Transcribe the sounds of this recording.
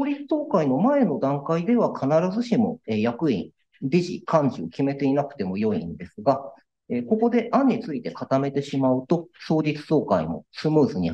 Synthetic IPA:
soːɾʲit͡sɨ̥t̪o̞ːkaino̞mae̞no̞d̪ãŋkaid̪e̞β̞akʰanaɾazɨɕimo̞̰ejakɯ̟ḭ | d̪ʲiʑḭkʰãɲ̟d͡ʑio̞kʲime̞t̪e̞inakɯ̟̥t̪e̞mo̞jo̞ḭ̃nd̪e̞sɨɡa | eko̞ko̞d̪e̞ʔaɲ̟ːit͡sɨit̪e̞kat̪ame̞t̪e̞ɕimaɯ̟t̪o̞so̞ːɾʲit͡sɨ̥t̪o̞ːkaimo̞̰sɨmɯ̟ːzɨɲ̟i

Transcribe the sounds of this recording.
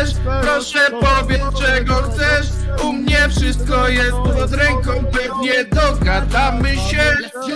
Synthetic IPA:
ʂpɾɔʂɛpɔvʲjɛt̪st͡ʂɛɡɔxt̪sɛʂumɲɛfʂɘst̪̚kɔjɛst̪pɔd̪ɾɛŋkɔ̃w̃pɛvɲɛd̪ɔɡad̪amɘɕɛ

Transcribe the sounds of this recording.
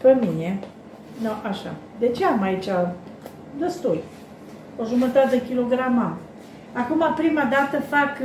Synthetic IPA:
pəmine | noʔaʃa̰ | d̪et͡ʃeamait͡ʃa | d̪əst̪uj | oʒumət̪at̪d̪ekʲilo̞ɡɾamam | akumapɾimad̪at̪əfak

